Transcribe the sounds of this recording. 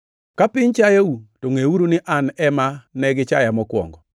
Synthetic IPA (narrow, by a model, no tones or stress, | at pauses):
kapɪɲt͡ʃajawutoŋeuɾunɪʔanɛmanɛɡɪt͡ʃajamɔkwɔ̰ŋɡɔ